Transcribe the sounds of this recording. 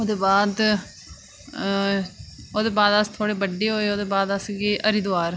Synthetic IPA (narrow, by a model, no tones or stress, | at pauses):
oːd̪eːbaːd̪ | oːd̪eːbaːd̪əst̪ʰoːɽeːbəɖːeːɦoːeːoːd̪eːbaːd̪əsɡeːʔəɾid̪ʊaːɾ